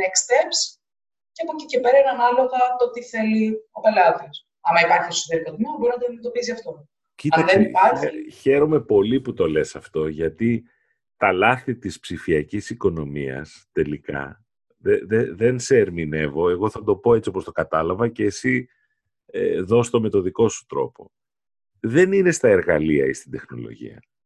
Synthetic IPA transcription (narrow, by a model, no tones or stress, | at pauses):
ekst̪eps | ceɐpo̞cice̞pe̞ɾɐenɐnɐlo̞ɣɐt̪o̞t̪iθe̞lio̞pe̞lɐðios | ɐmɐipɐɾçiekso̥t̪eɾikot̪imobo̞ɾinɐt̪oðimet̪o̞piziɐft̪o̞ | citɐðenipɐɾçiçe̞ɾo̞me̞po̞liput̪o̞le̞sɐft̪o̞ʝɐt̪i | t̪ɐlɐθit̪ispsifiɐcisiko̞no̞miɐ̰st̪e̞likɐ̰ | ðeðeðe̞nse̞ːɾmine̞vo̞e̞ɣo̞θɐd̪o̞po̞e̞t͡sio̞post̪o̞kɐt̪ɐlɐvɐceːsi | eðo̞st̪o̞me̞t̪o̞ðiko̞su̥t̪ɾo̞̰po̞̰ | ðe̞nine̞st̪ɐe̞ɾɣɐliɐ̰ist̪ind̪e̞xno̞̰lo̰ʝḭɐ̰